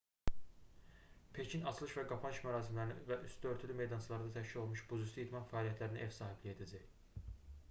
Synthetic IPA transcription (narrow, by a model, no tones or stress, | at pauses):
pʰe̞cʰinɑt͡ʃʰlˠɯʃvæɡɑpʰɑnʃmæɾɑːsimlæɾinḭvæʔysd̪ø̞ɾt̪ʰylyme̞jd̪ɑnt͡ʃʰɯlˠɑɾɯd̪ɑt̪ʰæʃcilo̞lˠmuʃb̥uzusid̪mɑnfæɑːliæt̪ʰlæɾiniʔevsɑːɦiblije̞d̪æd͡ʒæj